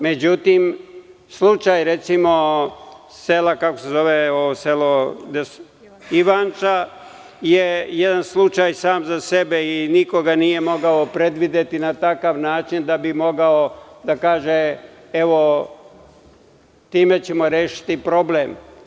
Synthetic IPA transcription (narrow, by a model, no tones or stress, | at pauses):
me̞d͡ʑut̪im | slˠut͡ʃajɾe̞t̪simo̞ | selakako̞̥se̞zo̞ʋeoʋoselod̪es | iʋant͡ʃa | jejed̪anslˠut͡ʃajsaːmzasebeiniko̞ɡanije̞mo̞ɡaopɾe̞d̪ʋid̪et̪inat̪akaʋnaːt͡ʃind̪abimo̞ɡaod̪akaːʒe | e̞ʋo̞ | t̪iːme̞t͡ɕe̞mo̞ɾeːʃi̥t̪ipɾo̞blem